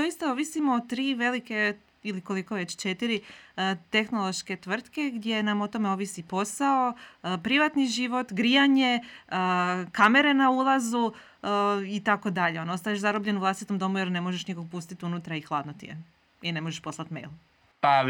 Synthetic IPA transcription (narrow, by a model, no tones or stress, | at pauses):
d̪ojist̪ao̞ʋisimoːt̪ɾiːʋe̞like̞ | iliko̞likoʋe̞t͡ɕt͡ʃe̞t̪iɾit̪e̞xno̞lˠo̞ʃke̞t̪ʋr̩t̪ke̞ɡd̪je̞namo̞t̪o̞meo̞ʋisipo̞sao̞pɾiʋat̪niʒiʋo̞t̪ɡɾijaɲeəkame̞ɾe̞naulˠazu | it̪ako̞d̪aʎe̞onost̪ajeʃzaɾobʎe̞nuʋlast̪it̪omd̪o̞mujeɾne̞mo̞ʒeʃnikoɡ̚pust̪it̪iunut̪ɾaixlˠad̪not̪ḭe | ine̞mo̞ʒeʃpo̞slˠat̪mḛjlˠ | pa